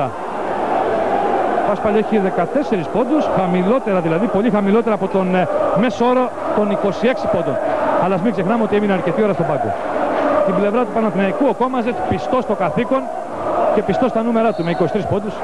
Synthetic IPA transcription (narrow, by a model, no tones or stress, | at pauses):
ɐ | ɐspɐleçiðe̞kɐt̪e̞se̞ɾispo̞d̪usxɐmilo̞t̪e̞ɾɐðilɐðipo̞lixɐmilo̞t̪e̞ɾɐːpo̞t̪o̞nme̞soo̞ɾo | t̪o̞niko̞sie̞ksipo̞nd̪o̞nɐlɐzmiɡse̞xnɐmeo̞t̪ie̞mineɐɾce̞t̪io̞ɾɐst̪o̞bɐɡo̞̰ | t̪imble̞vɾɐt̪upɐnɐθinɐikuoko̞mɐzet̪pist̪o̞st̪o̞kɐθiko̞n | ce̞pist̪o̞st̪ɐnume̞ɾɐt̪ume̞ikosi̥t̪ɾispo̞nd̪us